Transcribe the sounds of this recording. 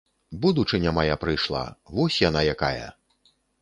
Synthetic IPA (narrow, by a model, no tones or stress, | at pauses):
bud̪ut͡ʂɨnʲamajapɾɨjʂlˠa̰vɔsʲjanajakajɐ̰